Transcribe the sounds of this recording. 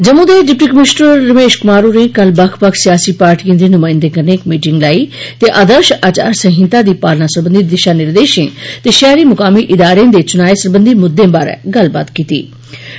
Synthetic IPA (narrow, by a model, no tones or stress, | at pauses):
d͡ʒəmũːd̪eːɖɪp̚ʈiːkəmɪsnəɾːəmeːʃkʊmaːɾuːnekəlbəkʰpəkʰsɪjaːsiːpaːɾʈiːə̃nd̪iːnʊmaːɪ̃nd̪ekəɾneːkmiːʈɪŋɡlaːiːt̪eːʔaːd̪əɾʃaːt͡ʃa̰ːɾsə̃ɦɪ̃nt̪aːd̪iːpaːlnaːsəɾbə̃nd̪iːd̪ɪʃaːnɪɾd̪eːʃḛ̃ːt̪eːʃaːɾiːmʊkaːmiːʔɪd̪aːɾeãːd̪eːt͡ʃʊnaːeːsəɾbənd̪iːmʊd̪ẽːbaːɾ̰ɡəlba̰ːt̪kiːt̪ḭː